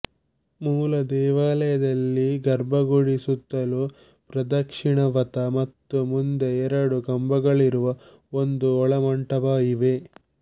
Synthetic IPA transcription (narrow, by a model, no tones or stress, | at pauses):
muːlɐd̪ɛːʋaːlɐjɐd̪ɐlːiɡɐɾbɐɡuɽisut̪ːɐlu | pɾɐd̪ɐkʂiɳɐʋɐt̪ɐmɐt̪ːumund̪e̞ɛɾɐɽuɡɐmbɐɡɐɭiɾuʋɐ | o̞nd̪uɔɭɐmɐɳʈɐʋaːjiʋe